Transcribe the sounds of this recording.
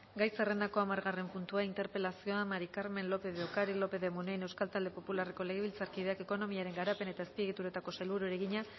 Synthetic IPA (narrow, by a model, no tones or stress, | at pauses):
ɡajsere̞nd̪ako̞amaɾɣare̞mpunt̪uaint̪e̞ɾpe̞lasio̞amaɾikaɾme̞nlo̞pe̞ðeokaɾilo̞pe̞ðemuneenewskalt̪ald̪e̞po̞pulare̞ko̞le̞ɣ̞e̞β̞ilt͡saɾkið̞e̞ake̞ko̞no̞miaɾe̞ŋɡaɾape̞ne̞t̪ae̞spieɣit̪uɾe̞t̪ako̞selβuɾueɾeɣiɲa